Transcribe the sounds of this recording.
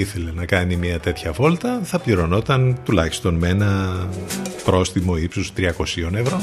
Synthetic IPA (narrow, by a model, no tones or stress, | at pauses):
iθe̞le̞nɐkɐnimɲɐt̪e̞t̪çɐvo̞lt̪ɐθɐpʎiɾo̞no̞t̪ɐnt̪ulɐçi̥st̪o̞nmenɐ | pɾo̞st̪imo̞ipsost̪ɾiɐko̞sio̞ne̞vɾo̞